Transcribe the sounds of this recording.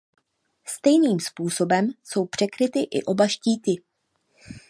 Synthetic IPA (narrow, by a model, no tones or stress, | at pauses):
st̪ɛjniːmspuːso̞bɛmso̞wpr̝̥ɛkɾɪt̪ɪʔɪ̰ʔo̞baʃciːt̪ɪ